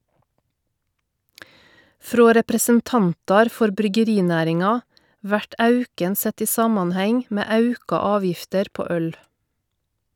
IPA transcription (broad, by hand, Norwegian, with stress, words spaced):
ˈfɾoː ɾɛpɾəsənˈtɑntɑɾ ˈfɔɾ bɾʏɡəˈɾiːˌnæːɾɪŋɑ ˈʋæʈ ˈɑʉkən ˈsɛt ˈiː ˈsɑːmɑnˌhɛŋ ˈmeː ˈɑʉkɑ ˈɑːˌʋjɪftəɾ ˈpoː ˈœl